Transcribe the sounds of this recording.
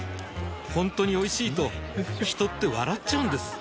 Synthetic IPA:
hõ̞nt̪o̞ɲ̟io̞iɕiːt̪o̞çʲi̥t̪o̞t̪ːe̞βa̰ɾat͡ɕt͡ɕːaɯ̟nd̪e̞sɨ̥

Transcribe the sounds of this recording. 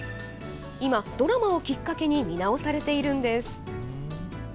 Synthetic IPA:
imad̪̥o̞ɾamao̞kʲikːake̞ɲ̟imʲinao̞saɾe̞t̪e̞iɾɯ̟̃nd̪e̞sɨ̥

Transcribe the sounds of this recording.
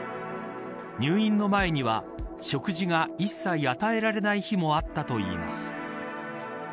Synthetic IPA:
ɲɨːĩnːo̞mae̞ɲ̟iβa | ɕo̞kɯ̟ʑiɡaisːaiat̪ae̞ɾaɾe̞naiçimo̞at̪ːat̪o̞ḭːma̰sɨ̥

